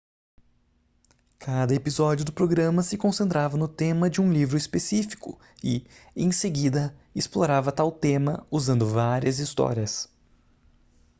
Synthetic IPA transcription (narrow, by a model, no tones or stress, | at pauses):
kʰad̪ɐepizɔd͡ʒiʊd̪ʊpɾoɡɾɐ̃mɐsɪkõsẽnt̪ɾavɐnʊt̪ẽmɐd͡ʒɪũlivɾʊispesifi̥kʊ̰ | ɪḛ̃j̃seɡid̪ɐɪsploɾavɐt̪awt̪ẽmɐuzɐ̃nd̪ʊvaɾiɐzist̪ɔ̰ɾiɐs